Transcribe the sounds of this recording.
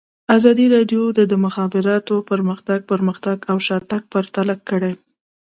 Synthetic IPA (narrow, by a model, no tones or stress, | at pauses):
azɑd̪iɾɑɖjod̪əd̪əmʊxɑbɪɾɑt̪opəɾməxt̪aɡ̚pəɾməxt̪aɡawʃɑt̪ak̚paɾt̪alakːəɽe